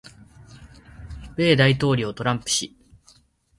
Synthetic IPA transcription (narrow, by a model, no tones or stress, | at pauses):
b̥e̞ːd̪ait̪o̞ːɾʲiot̪o̞ɾãmpɯ̟̥ɕi